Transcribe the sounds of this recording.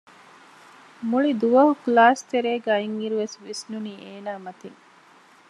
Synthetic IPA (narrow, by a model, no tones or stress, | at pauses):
muɭid̪uʋɐɦuklaːst̪eɾeːɡaiŋiɾuʋesʋisnuniːʔeːnaːmɐt̪iŋ